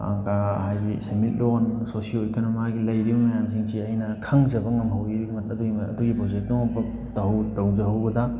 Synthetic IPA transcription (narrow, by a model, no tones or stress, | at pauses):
a̰ŋkaɦajɡisemit̚lonsosiolekʰonomaɡilɐjɾibɐmɐjams̬iŋsiɐjnɐkʰaŋzɐbɐŋɐmɦɐwibmɐtɐduɡiɐ̰duɡipɾod͡ʒek̚tːoŋɐbɐ | tɐɦwtɐwzɐɦawbɐdɐ